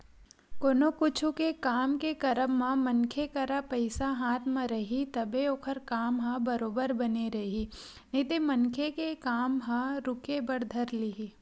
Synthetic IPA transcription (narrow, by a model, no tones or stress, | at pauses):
koːnokʊt͡ʃʰukekaːmkekɐɾəmːãmɐnkʰekɐɾapɐɪsaɦaːt̪ʰmãɾɐɦit̪ɐbʱeoːkʰəɾkaːmɦɐ̃bɐɾoːbəɾbɐneɾɐɦi | net̪emɐnkʰekekaːmɦãɾʊkebɐɽd̪ʱəɾliɦi